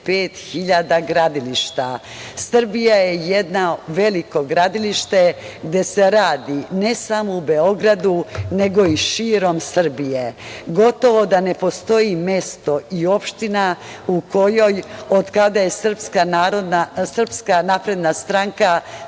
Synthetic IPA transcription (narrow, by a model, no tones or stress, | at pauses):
peːt̪xiʎad̪aɡɾad̪iliʃt̪a | sr̩bijaje̞jed̪naʋe̞liko̞ɡɾad̪iliʃt̪e̞ɡd̪e̞se̞ɾaːd̪ine̞samo̞ubeo̞ɡɾad̪une̞ɡo̞iʃiːɾo̞msr̩bije̞ɡo̞t̪o̞ʋo̞d̪ane̞po̞st̪o̞ime̞st̪o̞io̞pʃt̪ina | uko̞jo̞jod̪kad̪aje̞sr̩pskanaɾod̪nasr̩pskanapɾe̞d̪nast̪ɾaŋka